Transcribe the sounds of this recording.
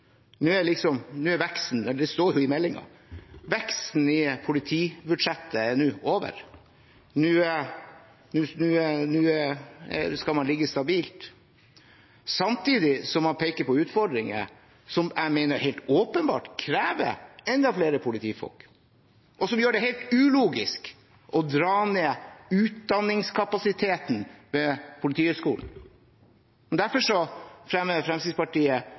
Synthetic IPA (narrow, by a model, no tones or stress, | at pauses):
nʉːælɪksɔmnʉːæɾʋɛkst̪n̩ɛlːɖ̪ɛst̪oːɾjʊɪmɛlːɪŋɑ̰ | ʋɛkst̪t̪n̩ɪpʰʊlɪt̪ʰiːbʉɖʂɛt̪ːəɛnʉːoːʋə̰ɾ | nʉː | nʉːnʉːnʉ̰ː | skɑlmɑnlɪɡːəst̪ɑbiːlt̪ | sɑmt̪ʰiːd̪ɪsɔmhɑpʰeːkəpɔʉːt̪fɔɖ̪ɾɪŋə̰ | sɔmæɪmeɪnəɾheɪlt̪oːpənbɑ̰ːʈkʰɾæːʋə̰ɛnd̪ɑfleːɾəpʰʊlɪt̪ʰiːfɔ̰lk | ʔɔsɔmjøːɖɛɦeɪlt̪ʉːluːɡɪsk | ʔɔd̪ɾɑːneːʉːt̪̚d̪ɑnːɪŋskʰɑpɑsɪt̪ʰeːt̪n̩ʋɛpʰʊlɪt̪ʰiːʉskṵːln̩ | mɛnd̪æɾfɔʂɔfɾɛmːəfɾɛmsɪspɑʈiːə